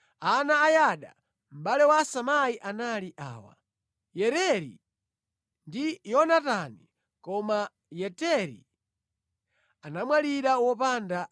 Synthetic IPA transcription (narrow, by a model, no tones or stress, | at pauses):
anaːjaɗa | m̩ɓalɛwasamaiʔanaliʔa̰ːwa̰ | jɛɾɛɾḭ | ndijɔnatani | kɔma | jɛtɛɾḭ | anamwaliɾawɔpanda